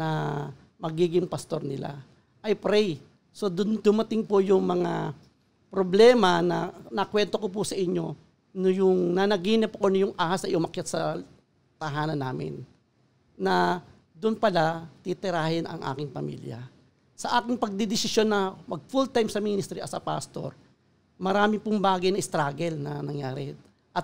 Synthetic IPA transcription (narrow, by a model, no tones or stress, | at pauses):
nɐ | mɐɡiːɡɪŋpɐst̪o̞ɾnɪla̰ | ʔɐjpɾɛj | so̞d̪ʊnd̪ʊmɐt̪ɪŋpʊjʊŋmɐŋa | pɾoblɛːmɐnɐnɐkwɛnt̪o̞kop̬usɐʔɪɲo̞ | nʊjʊŋnɐnɐɡiːnɪpɐkonɐjʊŋʔaːhasɐjʔʊmɐkjat̪̚sɐ | t̪ɐɦaːnɐnːaːmɪ̰nː | ɐ | d̪ʊnpɐlat̪ɪt̪ɪɾaːhɪnɐ̰ŋʔa̰ːkɪŋpɐmḭljɐ̰ | sɐʔaːkɪŋpɐɡ̚d̪ɪd̪ɪsɪsjo̞nːɐmɐɡ̚fult̪ajmsɐmiːnɪst̪ɾiʔɐ̰sɐpa̰st̪o̞̰ɾ | mɐɾaːmɪpʊŋbaːɡɐjnɐʔɪst̪ɾaːɡɛlnɐnɐŋjaːɾɛ | ʔɐt̪̚